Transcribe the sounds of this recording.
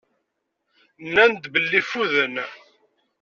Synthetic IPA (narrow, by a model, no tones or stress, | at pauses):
nːænd̪bəlːifuðən